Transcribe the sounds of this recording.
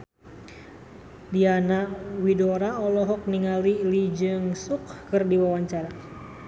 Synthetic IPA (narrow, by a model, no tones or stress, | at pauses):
dianawidoɾaɔlɔɦɔk̚niŋalilid͡ʒɨŋsukkɨrdiwawaɲt͡ʃaɾa